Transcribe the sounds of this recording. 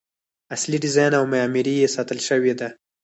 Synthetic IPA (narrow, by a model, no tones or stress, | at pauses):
asliɖɪzɑjnawmajɑmiɾijesɑt̪əlʃəwed̪a